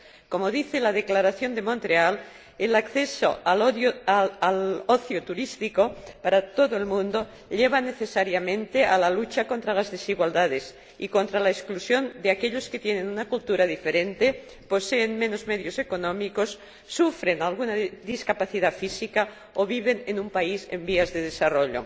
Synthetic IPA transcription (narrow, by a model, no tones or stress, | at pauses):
ko̞moðiθelað̞e̞klaɾaθjo̞nd̪emont̪ɾeal | elakθeso̰al | aloθjot̪uɾist̪ikopaɾat̪o̞ðoe̞lmũnd̪o | ʎeβ̞ane̞θe̞saɾjamẽ̞nt̪ealalut͡ʃako̞nt̪ɾalazðesiɣwald̪að̞es | iko̞nt̪ɾalaesklusjo̞nd̪eakeʎosket̪je̞ne̞nunakult̪uɾaðife̞ɾe̞nt̪e̞ | po̞seːnmeno̞zmeðjo̞se̞konõmiko̞sː | ufɾe̞nalɣ̞unaðiskapaθiðafisika | oβiβ̞e̞nenumpaise̞̰mbiazðeð̞e̞saro̞ʎo̰